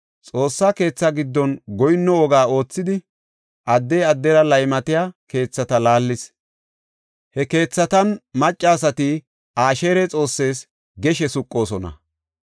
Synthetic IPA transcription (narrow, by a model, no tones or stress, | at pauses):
t͡sʼo̞ːsːaːke̞ːt͡sːɐɡɪd̪ːɔnɡɔjnːɔɔɡaːo̞ːt͡sːɪd̪ɪ | ʔɐd̪ːɛjɐd̪ːɛɾɐlɐjmɐt̪ɪjaːke̞ːt͡sːɐt̪ɐlaːlːɪs | hɛke̞ːt͡sːɐt̪ɐnmɐt͡ʃʼːaːsɐt̪ɪ | ʔaːʃeːɾɛt͡sʼo̞ːsːe̞ːs | ɡɛʃɛsʊkʼːo̞ːsɔnɐ̰